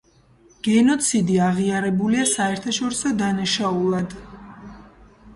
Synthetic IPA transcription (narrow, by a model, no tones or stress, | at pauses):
ɡ̥ɛnɔt̪sʰid̪iaʁiaɾɛbuliasaɛɾt̪ʰaʃɔɾisɔd̪anaʃaulˠad̪